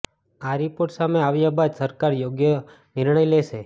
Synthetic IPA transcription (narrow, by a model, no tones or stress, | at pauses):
aɾipoɾʈsameaʋjabad̪səɾkaɾjoɡjə | nɪɾɳ̃əjleʃe